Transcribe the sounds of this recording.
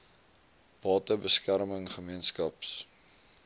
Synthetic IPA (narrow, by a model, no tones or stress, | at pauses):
b̥ɑːtəbəskæɾməŋχəmiənskɐps